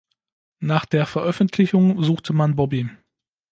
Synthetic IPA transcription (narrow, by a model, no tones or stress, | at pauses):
naːχd̥eːɐfɛɐʔœfn̩tʰlɪçʊŋzuːxtʰəmanbɔbi